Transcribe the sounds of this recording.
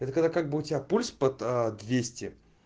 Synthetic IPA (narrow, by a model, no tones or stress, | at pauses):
ɛt̪əkɐɡd̪akaɡ̚bɨʊtʲɪapulʲspət̪əd̪vʲesʲtʲɪ